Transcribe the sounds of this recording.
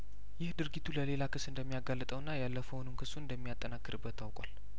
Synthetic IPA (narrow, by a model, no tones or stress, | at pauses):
jɪhd̪ɨɾɡit̪ʰuləle̞lakɨsɨnd̪əmːijaɡalːət̪ʼəwɨnːajalːəfəwonɨmkʰɨsːuɨnd̪əmːijat̪ʼːənakːɨɾɨbːət̪ʰːawkʷʼwal